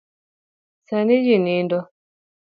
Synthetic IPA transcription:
sanid͡ʒinindɔ

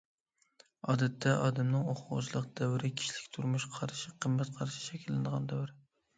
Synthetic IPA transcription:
ɒd̪at̪ʰːaʔɒd̪amnɪŋoχʊʁʊ̰t͡ʃlˠɨq̚d̪̥awɾɪkʲʰɪ̥ʃlɪkʲt̪ʰʊɾmʊʃqʰɑɾʃɪqʰɨmːæt̪qʰɑɾʃɪ̥ʃɛkʲʰɪlːɪnd̪əʁɑnd̪wɾɪ

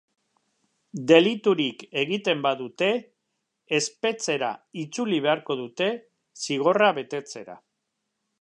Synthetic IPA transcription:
d̪e̞lit̪uɾike̞ɣ̞it̪e̞mbaðut̪e̞ː | spe̞t͡se̞ɾa̰it͡suliβ̞e̞aɾko̞ðut̪e̞ | siɣ̞o̞raβe̞t̪e̞t͡se̞ɾa̰

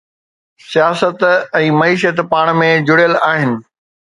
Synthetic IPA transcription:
sijaːsət̪ɛ̃ːmɐiːʃət̪paːɽ̃mẽd͡ʑʊɽijəlaːɦɪnɪ̆

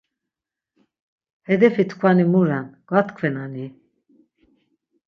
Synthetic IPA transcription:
hɛd̪ɛfit̪ʰkʰvanimuɾanɡ̥at̪kʰvɛnani

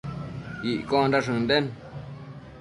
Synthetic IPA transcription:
iʔkõɾaʂ̬ɨ̃nd̪en

